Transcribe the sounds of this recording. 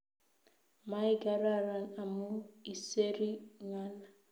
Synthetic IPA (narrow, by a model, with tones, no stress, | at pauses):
ma˦i˦ɡa˨ɾa˦˨ɾa˨na˨mu˦i˨se˦ɾi˦ŋa˦la˨